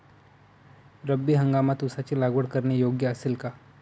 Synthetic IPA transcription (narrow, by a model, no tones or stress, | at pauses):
ɾəbːiɦɐ̃ŋɡaːmat̪ʊsat͡ʃilaːɡʋəɽkɐɾnejoːɡjəɐsɪlka